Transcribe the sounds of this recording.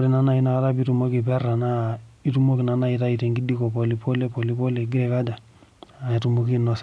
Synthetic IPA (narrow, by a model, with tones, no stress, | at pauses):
ɾi˦na˦na˦i˦na˨˦la˦bi˦tu˨mo˦ki˨pɛ˦ra˨na˦i˦tu˦mo˦ki˨na˨na˦i˨ta˦i˨te˨ŋɡi˦di˦ko˨po˨li˦po˦le˦po˨li˦po˦le˨ɡi˦ɾɛ˨ka˦da˨ | a˨i˨tu˨mo˦ki˦nɔ˨sa˨